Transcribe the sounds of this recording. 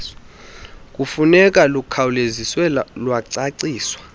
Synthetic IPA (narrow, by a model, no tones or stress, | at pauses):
kʼufunɛk̬ʼalukʰawuleziswɛlwaǀaǀiːswḁ